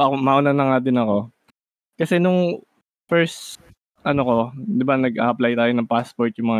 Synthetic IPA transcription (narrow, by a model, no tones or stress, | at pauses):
ɐkomaːʔʊnanɐŋaːd̪ɪnɐko̞ | kɐsɛnʊŋ | fɛɹst̪ | ʔɐnoko̞d̪ɪbanɐɡʔa̰ːʔɐplajt̪aːjonɐŋpaspoɹt̪̚jʊŋmɐŋa